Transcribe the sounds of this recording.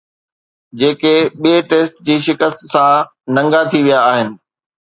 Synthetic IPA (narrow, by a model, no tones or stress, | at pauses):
d͡ʑeːkeɓieʈeːsʈ̚d͡ʑiːʃɪkəst̪sã | nɐ̃ŋɡat̪ʰiʋijaːɦɪnɪ̆